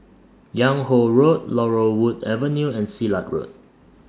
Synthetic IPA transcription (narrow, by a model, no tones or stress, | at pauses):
jãŋhoɹot̚lɔɹowudɛvənjuɛ̃nsilat̚ɹo̰t̚